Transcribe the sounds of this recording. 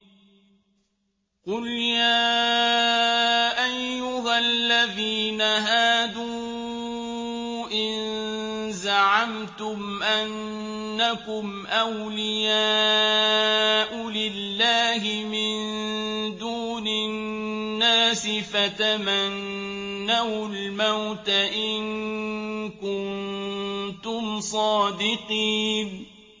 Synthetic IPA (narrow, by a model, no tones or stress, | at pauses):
qʊljaː | ʔajːʊɦalːaðiːnaɦaːd̪uː | ʔɪn | zaʕamt̪ʊm | ʔanː | akʊm | ʔawlɪjaː | ʔʊlɪlːaːɦɪmɪnnd̪uːnɪ | nnːaːsɪfat̪amanː | awlmawt̪aʔɪŋn | kʊnn | t̪ʊmsˤɑːd̪ɪqiːn